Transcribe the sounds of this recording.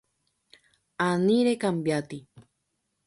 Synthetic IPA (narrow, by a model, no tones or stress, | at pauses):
aniɾekambjat̪i